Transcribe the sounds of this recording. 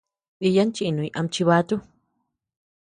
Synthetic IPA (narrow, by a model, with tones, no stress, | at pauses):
i˧ja˦nt͡ʃi˦˧˨nũ˨i˧ʔa˧mt͡ʃi˧βa˧˦t̪u˦